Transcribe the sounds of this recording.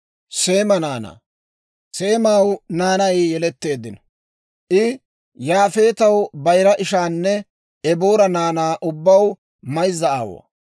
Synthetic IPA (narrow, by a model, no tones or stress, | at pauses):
se̞ːmɐnaːna̰ː | se̞ːmawnaːnɐjjɛlɛt̪ːe̞ːd̪ːɪn | ʔɪ | jaːfe̞ːt̪ɐwbɐjɾɐʔɪʃaːnːɛ | ɛboːɾɐnaːnaːʔʊbːɐw | mɐjzːɐa̰ːwo̰